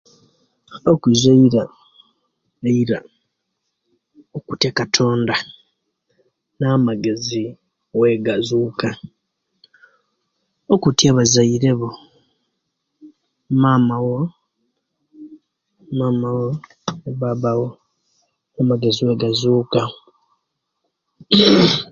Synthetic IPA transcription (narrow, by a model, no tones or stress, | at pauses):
okwizaiɾa | eiɾa | oku̥tekatʰo̞ːnda | naːmaɡe̞zi | weɡazuːka | okutjaβazaiɾe̞βo | maːmawo | maːmawo | neβaβawo | amaɡe̞ziwe̞ɡazuːka